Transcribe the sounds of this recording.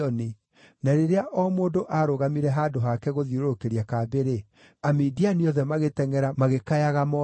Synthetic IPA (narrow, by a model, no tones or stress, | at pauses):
ɔni | naɾeɾeaʔɔmoːndoʔaɾoɣamiɾɛɦaːdoɦakɛɣoðiɾoɾokeɾiakaːbeɾe | amiːdianiɔðɛmaɣetɛŋɛɾamaɣekajaɣamɔ